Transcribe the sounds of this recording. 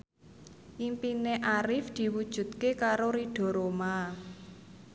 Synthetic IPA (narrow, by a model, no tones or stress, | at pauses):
ʔimpineʔaɾɪfd̪̥i̤wud̥ʒ̥ṳt̪̚kekaɾoɾiɖ̥ɔ̤ɾoma